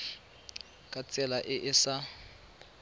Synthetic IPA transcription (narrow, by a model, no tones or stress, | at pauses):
kʼat͡sʼɛlaʔɪʔɪsa